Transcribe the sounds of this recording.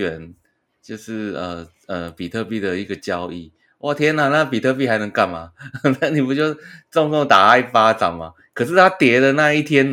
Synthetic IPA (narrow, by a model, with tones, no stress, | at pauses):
ɥɛ˨˧˦n | t͡ɕjo˥˧ʊʂɻ̩˥˩ə˨˩ | ə˩pi˨˩t̪ʰɤ˥˧pi˥˩d̪ə˨i˧˥ɡə˨t͡ɕjɑ˦ʊʔḭ˥˩ | wʔa˥˩t̪ʰjɛ˥na˨na˥˨pi˨t̪ʰɤ˥˧p̬i˥˩xa˧˥ɪnə˧˦ŋka˥˩nma̰˨˩t̪a˥˩ni˨˩pu˧˥t͡ɕjo˥˧ʊt͡sʊ˥˧ŋt͡so˥˩ŋt̪a˨˩a˥˩ɪfa˥ʈ͡ʂa̰˨˩ŋma̰˨ | kʰɤ˨˩ʂ̬ɻ̩˥˩t̪ʰa˥t̪jɛ˧˥də˨na˥˧i˥˩t̪ʰjɛ˥n